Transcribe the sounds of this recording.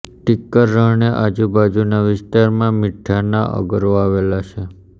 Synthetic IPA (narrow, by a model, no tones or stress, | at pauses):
ʈɪkːəɾːəɦɳeʔad͡ʒubad͡ʒunaʋɪst̪aɾmãmɪʈʰːanaʔə̰ɡəɾoaʋelat͡ʃʰe